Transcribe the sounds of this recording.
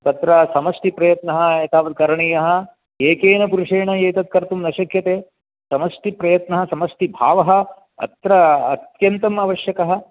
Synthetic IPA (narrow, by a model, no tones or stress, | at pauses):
t̪ɐt̪ɾɐsɐmɐsʈipɾɐjɐt̪nɐɦɐ̆eːt̪aːʋɐd̪̚kɐɾɐɳijɐɦɐ̆ | eːkeːnɐpuɾuʂeːɳɐeːt̪ɐt̪̚kɐɾt̪umnɐʃɐkʰjɐt̪eː | sɐmɐsʈipɾɐjɐt̪nɐɦɐsɐmɐsʈibʱaːʋɐɦɐ̆ | ɐ̰t̪ɾɐːt̪jɐnt̪ɐmɐʋɐʃjɐkɐɦɐ̆